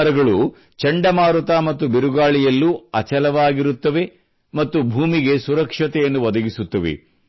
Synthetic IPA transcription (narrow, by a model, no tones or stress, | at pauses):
ɾɐɡɐɭu | t͡ʃɐɳɖɐmaːɾut̪aːmɐt̪ːubiɾuɡaːɭijɐlːuɐt͡ʃɐlɐʋaːɡiɾut̪ːɐʋe̞ | mɐt̪ːubʱuːmiɡe̞suɾɐkʂɐt̪ɛjɐnːuʋɐd̪ɐɡisut̪ːɐʋḛ